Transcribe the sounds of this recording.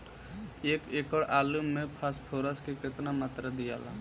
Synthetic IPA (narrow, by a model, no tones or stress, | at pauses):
eːkeːkəɽaːlumːẽpʰaspʰoːɾəskekɪt̪namat̪ɾad̪ija̰ːla̰